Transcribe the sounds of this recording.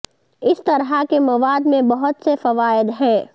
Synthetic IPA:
ɪst̪ɐɾɦakemɐʋaːd̪mẽbɐɦʊt̪sefɐʋaːɪd̪ɦɛ̃ː

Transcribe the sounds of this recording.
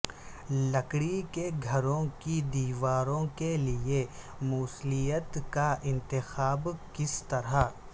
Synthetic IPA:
lɐkɽikeɡʱɐɾõkid̪iːʋaːɾõkelɪe | muːslijət̪kaʔɪ̃nt̪ɪxaːbkɪst̪ɐɾa

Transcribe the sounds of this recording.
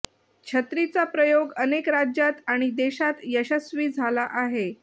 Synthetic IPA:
kɕʰət̪ɾit͡sapɾəjoɡənekɾad͡ʑjat̪aɽ̃id̪eɕat̪jəɕəsʋiːd͡zʱalaʔaɦe

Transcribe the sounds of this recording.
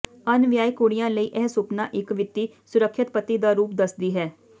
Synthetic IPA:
ənʋjaːikʊɽɪjãːləiːʔɛɦsʊpnaːʔɪkʋɪt̪ːiː | sʊɾəkʰʃɪt̪pət̪iːd̪aːɾuːp̚d̪əsd̪iːɦɛː

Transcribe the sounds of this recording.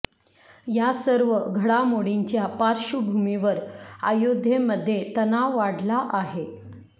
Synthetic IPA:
jasəɾʋəɡʱəɽamoɽiɲt͡ɕjapaɾɕubʱumiʋəɾa̰jod̪ʱjeməd̪ʱːjet̪ənaʋaɽlaʔaɦe

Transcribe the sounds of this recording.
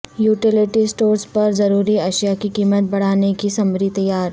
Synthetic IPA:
juːʈɪlɪʈisʈoːɾspɐɾzɐɾuːɾiɐʃjakikiːmət̪̚bɐɽ̤aːnekisɐmɾit̪ɐjaːɾ

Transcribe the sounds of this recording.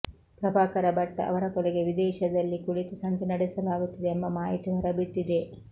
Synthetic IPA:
pɾɐbaːkɐɾɐbɐʈːɐ̰ʔɐ̰ʋɐɾɐkɔleɡe̞ʋid̪ɛːʃɐd̪ɐlːikuɽit̪usɐnt̪unɐɽɛsɐlaːɡut̪ːɐd̪eːmbɐmaːjit̪uɦɐɾɐbit̪ːid̪e̞

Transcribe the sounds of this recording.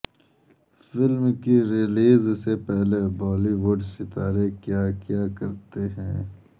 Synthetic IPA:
fɪlmkiɾɪliːzsepɛɦlebɔːliwʊɖsɪt̪aːɾekjaːkjaːkɐɾt̪eɦɛ̃ː

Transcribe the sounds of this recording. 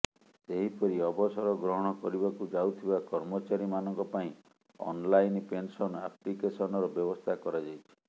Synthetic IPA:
seɦipɔɾiɔbɔsɔɾɔɡɾɔɦɔɽ̃ɔkɔɾibakud͡ʒawt̪ʰibakɔɾmɔt͡ʃaɾimanɔŋkɔpaĩ | ɔ̰nlajnpensɔna̰plikesɔnɔɾɔbjɔbɔst̪ʰakɔɾad͡ʒajt͡ʃʰi̥

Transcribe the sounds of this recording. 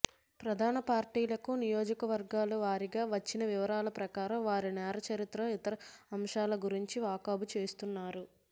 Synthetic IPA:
pɾɐd̪ʱaːnɐpaːɾʈiːlɐkunijo̞ːd͡ʒɐkɐʋɐɾɡaːluʋaːɾiɡaːʋɐt͡ʃːinɐʋiʋɐɾaːlɐpɾɐkaːɾɐmʋaːɾinɛːɾɐt͡ʃɐɾit̪ɾɐit̪ɐɾɐɐmʂaːlɐɡuɾiɲt͡ʃiʋaːkaːbut͡ʃe̞ːst̪unːaːɾu

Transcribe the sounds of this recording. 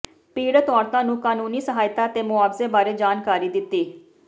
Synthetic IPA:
piːɽt̪ɔːɾt̪ãːnũːkaːnuːniːsəɦaːjɪt̪aːət̪eːmʊaːʋzeːbaːɾeːd͡ʒaːnkaːɾiːd̪ɪt̪ːiː

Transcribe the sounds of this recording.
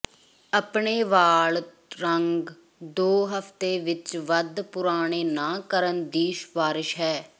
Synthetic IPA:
əpɳeːʋaːɭ | ɾəŋɡ | d̪oːɦəfʰt̪eːʋɪt͡ʃʋəd̪pʊɾaːɽ̃eːnaːkəɾənd̪iːʃpaːɾɪʃɦɛː

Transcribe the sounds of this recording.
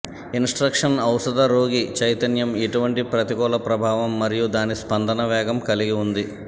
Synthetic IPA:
insʈɾɐkʂɐnɐwsɐd̪ɐɾo̞ːɡit͡ʃɐjt̪ɐnjɐmiʈuʋɐɳʈipɾɐt̪iɡɔːlɐpɾɐbʱaːʋɐmːɐɾijud̪aːnispɐnd̪ʱɐnɐʋɛːɡɐmkɐliɡiund̪i

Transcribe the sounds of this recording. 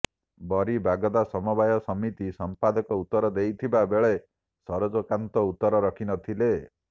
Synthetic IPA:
bɔɾibaɡɔd̪asɔmɔbajɔsɔmit̪isɔmpad̪ɔkɔut̪ːɔɾɔd̪ejt̪ʰibabeɭe | sɔɾɔd͡ʒɔkant̪ɔut̪ːɔɾɔɾɔkʰinɔt̪ʰile

